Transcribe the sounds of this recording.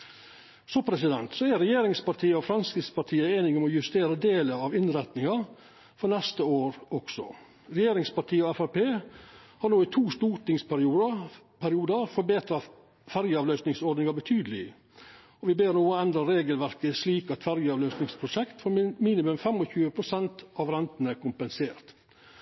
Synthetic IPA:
sɔpʰɾɛsɪd̪ɛnt̪sɔæɾɛjeːɾɪŋspɑɾʈʰiːəɔfɾɑnskɾɪspɑʈʰiːəeːnɪŋɔmɔjʉst̪eːɾəd̪eːləɑʋɪnɾɛt̪nɪŋɑ | fɔɾnɛst̪əoːɾɔɡ̥sɔ̰ | ɾɛjeːɾɪŋspɑʈʰiːəɔɛfæpeːhɑːɾɳoːɪt̪ʰuːst̪uːʈɪŋspæɾɪuː | pʰæɾɪuːd̪əfɔɾbeːt̪ɾɑ | fæɾjəɑːʋlœʏsnɪŋsɔɾɖd̪nɪŋɑbət̪ʰyːd̪əlɪ | ɔʋɪbeːɾnoːɛnd̪ɾəɾeːɡəlʋæɾkəsliːkɑt̪fæɾjəɑːʋlœʏsnɪŋspʰɾʊʂɛkt̪fɔɾmiːnɪmʉmfɛmɔçʉːəpʰɾʊsɛnt̪ɑʋɾɛnt̪nækʊmpənseːɾt̪

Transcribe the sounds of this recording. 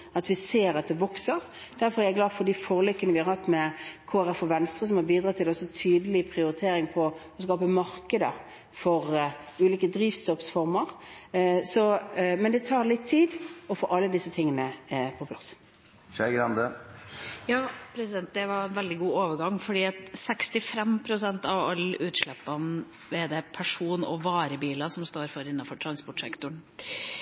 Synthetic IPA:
ɑt̪ʋɪseːɾɑt̪̚d̪ɛʋɔksəɾ | d̪̥æɾfɔɾæɾæɛɡlɑːd̪fɔɖ̪ifoːɾəlʏkːənəʋɪhɑɾhɑt̪ːmɛkʰoːæɾɛfɔʋɛnst̪ɾʁəs̬ɔmhɑɾbiːd̪ɾɑːt̪ʰɪlɔsɔt̪ʰyːd̪əlɪpʰɾɪʊɾɪt̪ʰeːɾɪŋpʰɔɔskɑːpəmɑɾkəd̪əɾ | fɔɾ | ʉːliːkəd̪ɾiːʋst̪ɔpsfɔɾməɾ | sɔmɛnd̪ɛt̪ʰɑːɾlɪt̪ʰːiːd̪ɔfɔɾɑlːəd̪ɪsːət̪ʰɪŋːənəpʰɔpʰlɑs | ʃæɡɾɑnd̪ə | jɑːpʰɾɛsɪd̪ɛnt̪̚d̪ɛʋɑɾɛnʋɛld̪ɪɡuːoːʋəɾɡɑŋːfɔɖiːɑt̪sɛkst̪ɪfɾɛmpʰɾʊsɛnt̪ɑʋɑ̰lːəʔʉːt̪ʂɭɛpːɑn | ʋɛd̪ɛpʰæʂuːnɔʋɑːɾəbiːlɑsɔmst̪oːɾfɔɾɪnːɑnfɔʈʰɾɑnspɔʈʂɛ̰kt̪ʊɳ

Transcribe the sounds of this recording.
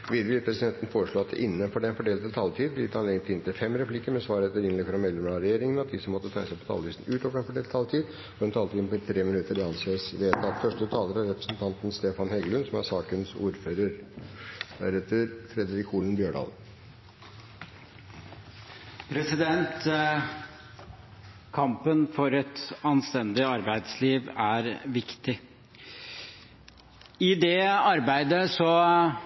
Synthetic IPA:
ʋɪlʋɪlpʰɾɛsɪd̪ɛnt̪ən̩foːɾəʂɭoːɑt̪ʔɪnːəfɔɖɛnfɔɖeːlət̪ət̪ʰɑlt̪ʰiːd̪b̪lɪt̪hɑneɡənt̪ɪɪnt̪ʰɪfɛmːɾɛplɪkːəmɛsʋɑːɾɛt̪ːəɾɪnlɛkːəɾɔmɛd̪ɛmɑɾɛjeːɾɪŋənɑt̪̚d̪ɪsɔmːɔt̪ːət̪ʰæɪəsæɛɪpʰɔt̪ʰɑ̰lʋisn̩ʉːt̪ɔːfəɾɛnfɔɖeːlʰɑlt̪ʰiːd̪ | ɔɾɛnt̪ʰɑlt̪iːd̪npʰɔt̪ʰɾeːmɪnʉt̪əɾɪɑnseːsʋeːt̪ɑt̪fœʂʈət̪ʰɑːləɾɑɾɛpɾəsnt̪ʰɑnt̪n̩st̪eːfɑnhɛɡlʉnsɔmæ̰sɑːkənsṵːɾføːɾəɾ | d̪æ̰ɾɛt̪əɾt̪ʰɾɛd̪ɾɪkʰuːlənbjøːɖɑ̰ːl | pʰɾɛsɪd̪ɛnt̪ | kʰɑmpənfɔɾɛt̪ɑnst̪ɛnd̪ɪɑɾbæɪd̪sliːʋæɾʋɪkt̪ɪ | ɪd̪ɛɑɾbæɪd̪əsɔ

